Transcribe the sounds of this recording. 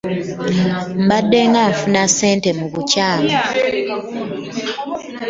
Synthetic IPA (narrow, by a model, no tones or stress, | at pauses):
m̩badːeŋɡaɱfunaseːntemuβucaːlaa